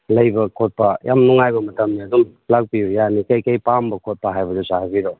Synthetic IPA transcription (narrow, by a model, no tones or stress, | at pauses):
lɐjbɐkʰot̚pɐjʔamnuŋajbɐmɐtɐmniɐdum | lak̚bijujanikɐjkɐjpambɐkʰot̚paɦajbɐdusahabiɾo